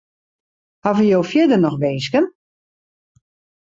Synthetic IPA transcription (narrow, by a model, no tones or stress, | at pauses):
havəjoːwfjɪdənɔxʋeːsɡən